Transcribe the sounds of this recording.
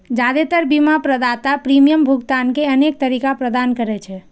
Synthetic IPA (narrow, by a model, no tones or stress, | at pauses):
d͡ʒad̪et̪əɾbimapɾəd̪at̪apɾimijəmbʱuɡt̪ankeənek̚t̪əɾikapɾəd̪ankəɾɛt͡ʃʰɛ